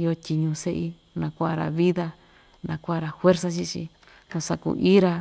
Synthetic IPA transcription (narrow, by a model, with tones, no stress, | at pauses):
i˦o˧tʲi˧ɲũ˧se˦ʔi˦ | nã˧kʷa˦a˧ɾa̰˨βi˦ða˧ | nã˧kʷa˦a˧ɾa˧hwe˦ɾsa˧t͡ʃi˧t͡ʃḭ˧ | kũ˧sa˧kṵ˧˨ʔi˦ɾa˧